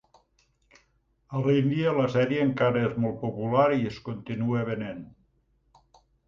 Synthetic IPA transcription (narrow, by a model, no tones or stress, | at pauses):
alind̪ialɐsɛɾjeːŋkaɾəezmolˠt̪̚populaɾieskont̪inueβenen